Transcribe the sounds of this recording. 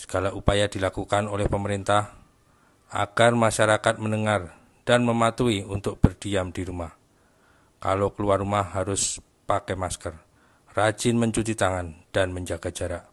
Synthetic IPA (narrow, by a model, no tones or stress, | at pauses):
sə̥ɡ̥alaupajad̥ilakukanolɛhpəməɾint̪ah | ʔa̰ɡ̥armaʃaɾakat̪̚mənəŋar | d̥anməmat̪uiunt̪ʊk̚b̥ərd̥iamdiɾumah | ka̰lokəluarːumahːaɾʊs | pakɛmaskər | rad͡ʒɪnməɲt͡ʃut̪it̪aŋand̥anməɲd͡ʒaɡ̥ad͡ʒaɾaʔ